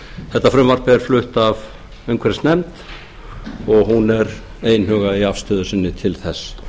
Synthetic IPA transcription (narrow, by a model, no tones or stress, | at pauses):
θɛht̪ːafɾʏmvar̥pɪɛɾ̥flʏht̪av | ejŋkʰvɛɾɪst̪nɛmt̪ | ɔɣɦunɛɾ | eːjnhʏːɣaiafst̪œːðʏsɪnːɪt̪ʰɪlθɛsː